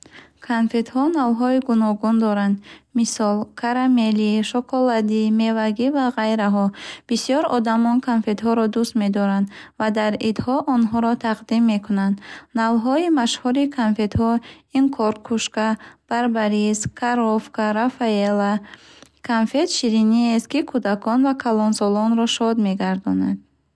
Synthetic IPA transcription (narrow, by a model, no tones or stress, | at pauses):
kʰanfe̞t̪hɔnalɦɔiɡunɔɡund̪ɔɾand̪misɔlkʰaɾameliʃɔkʰɔlad̪ime̞vaɡivaʁajɾaɦɔb̥isijɔɾɔd̪amɔnkʰanfe̞t̪ɦɔɾɔd̪ust̪me̞d̪ɔɾand̪vad̪aɾid̪hɔʔɔnɦɔɾɔt̪ʰaqd̪imːe̞kʰunand̪nalɦɔimaʃhɔɾikʰanfe̞t̪hɔinkʰɔɾkʰuʃkab̥aɾbaɾiskʰaɾɔfkaɾafaelakʰanfe̞t̪ʃiɾiniest̪̚kikʰud̪akʰɔnvakʰalɔnsɔlɔnɾɔʃɔd̪me̞ɡaɾd̪ɔna̰d̪̚